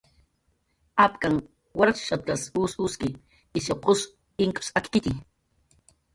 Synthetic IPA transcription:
apkaŋ | waɾat͡ʃʃat̪̚kasuːsuskɪː | soqʊs | ɪŋkʊ̥sakkɪt̪i

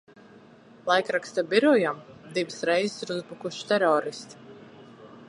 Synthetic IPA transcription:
lˠajkɾakst̪abiɾɔjamd̪ivɨsɾɛjzɪ̥siɾuzbukuʃt̪ɛɾɔːɾist̪i̥

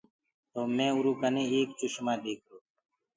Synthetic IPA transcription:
t̪oːmẽːʊɾuːkənẽːeːkt͡ʃʊʃmãːɖeːkʰɾoː

